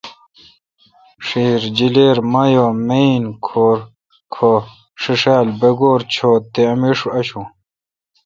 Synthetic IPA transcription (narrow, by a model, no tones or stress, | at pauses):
ʂiːɾd͡ʑileːɾmɐjoːmeinkʰoːɾ | kʰo | ʂiʂaːlbeɡoːɾt͡ɕʰoːt̪ːeɐmiʂuɐɕu